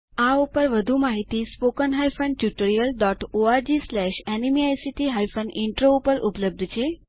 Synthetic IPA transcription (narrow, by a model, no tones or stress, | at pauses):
aupəɾʋəd̪ʱumaɦit̪ispokənɦajfənɖʈjuʈəɾijəlɖɔʈoaɾd͡ʒislɛʃɛnimiajsiʈiɦajfənɖɪɳʈɾoupəɾʔupləb̚d̪ʱt͡ʃʰe